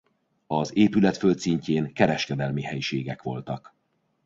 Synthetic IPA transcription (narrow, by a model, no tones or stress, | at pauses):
ɒzeːpylɛt̪følt̪siɲceːŋkɛɾɛʃkɛd̪ɛlmihɛjʃeːɡɛkʋo̞̰lt̪ɒk